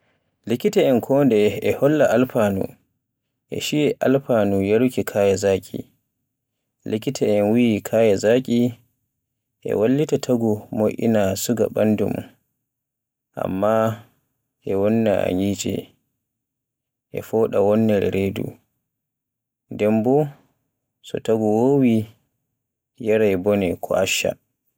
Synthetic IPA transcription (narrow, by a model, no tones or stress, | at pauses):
likitɛɛnkʰɔːndɛɛhɔlːaʔalpaːnṵ | ʔɛ̰ʃijɛʔalpaːnujaɾukikʰaːjɛzakʲʼḭ | likitʰɛɛnwijikʰajɛzakʼi | ʔɛ̰walːitatʰaɡumoʔʲḭnasuɡa̰ɓandṵm | ʔa̰mːa | ʔɛwɔnːaa̰ɲiːd͡ʒɛ̰ | ʔɛ̰fɔɗawɔnːɛɾɛɾedṵ | ndɛmbɔ | sɔ̰taɡuwoːwi | jɛɾajbɔnɛkʰɔ̰ʔaʃːa̰